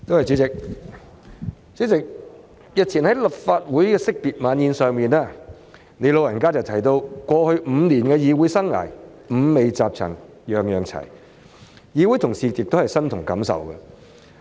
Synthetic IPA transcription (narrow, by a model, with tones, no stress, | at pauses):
t̪o˥whɐ˨jt͡sy˨˥t͡sɪ˨k̚ | t͡syː˨˥t͡sɪ˨k̚ | jɐ˨t̚t͡sʰiː˨˩nhɐ˨˥jlɐ˨p̚faː˧t̚wuː˨˥jkɛː˧sɪ˥k̚piː˨t̚maː˨˥njiː˧nsœː˨ŋmiː˨naː˥˩ | ne˨˧jlo˨˧wjɐ˨˩nkaː˥t͡sɐ˨wt̪ʰɐ˨˩jt̪o˧wkʷɔː˧hɵ˧ɥm̩ː˨˧niː˨˩nkɛː˧jiː˨˧wuː˨˥jsɐ˥ŋŋa̰ː˨˩j | m̩˨˧me˨˧jt͡saː˨p̚t͡sʰɐ̰˨˩ŋ | jœː˨ŋjœː˨ŋt͡sʰɐ̰˨˩j | jiː˨˧wuː˨˥jt̪ʰʊ˨˩ŋsiː˨jɪ˨k̚t̪hɐ˨jsɐ˥nt̪ʰʊ˨˩ŋkɐ˨˥msɐ̰˨wɡɛ˧